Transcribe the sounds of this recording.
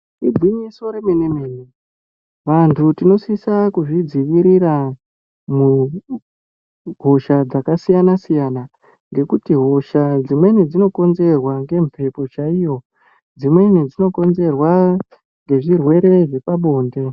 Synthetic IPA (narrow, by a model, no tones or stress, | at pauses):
id͡ziɲiso̞ɾe̞menemene | ʋantʰutino̞sisakuʐid͡ziʋiɾiɾa | mu | ɦo̞ʃad͡zakasijanasijana | ŋɡe̞kutiɦo̞ʃad͡zimwe̞nid͡zino̞ko̞nze̞rwaŋɡe̞ɱpʰe̞po̞t͡ʃaijo̞ | d͡zimwe̞nid͡zino̞ko̞nze̞rwa | ŋɡe̞ʐirwe̞ɾe̞ʐe̞paɓo̞ːnde̞